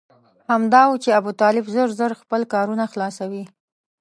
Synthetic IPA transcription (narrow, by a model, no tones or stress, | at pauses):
hamd̪ɑwut͡ʃeabut̪ɑlɪbzəɾzəɾxpəlkɑɾunaxlɑsawi